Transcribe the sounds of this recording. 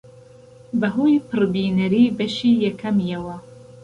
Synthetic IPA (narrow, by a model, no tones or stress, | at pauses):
bɐɦujpʰɨrbiːnɐɾiːbɐʃiːjɛkʰɐmjɛwɐ